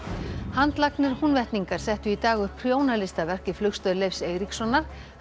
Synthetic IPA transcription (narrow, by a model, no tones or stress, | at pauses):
hant̪laknɪɾ̥hunvɛht̪niŋkaɾ̥sɛht̪ʏit̪aːɣʏ̥pʰɾjoːwnalɪst̪avɛr̥cɪflʏkst̪œðlejfseːɣɾiksɔnːaɾ̥